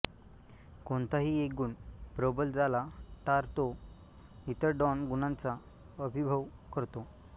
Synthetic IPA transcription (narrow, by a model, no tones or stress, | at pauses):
kont̪aɦiːeɡuːnpɾəbəld͡zalaʈaɾt̪o | it̪əɾɖɔnɡunant͡sa | əbʱibʱəʋkəɾt̪o